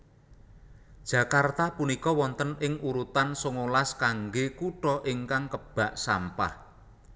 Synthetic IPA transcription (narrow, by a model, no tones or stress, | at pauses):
d̥ʒ̥ä̤kart̪apunikɔwɔnt̪ənɪŋuɾut̪ansoŋolaskaŋɡekuʈɔʔɪŋkaŋkəb̥a̤ʔsa̰mpa̰h